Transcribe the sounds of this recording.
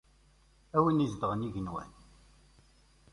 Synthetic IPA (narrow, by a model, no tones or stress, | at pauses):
æwinizd̪əʁəniʝənwæ̰n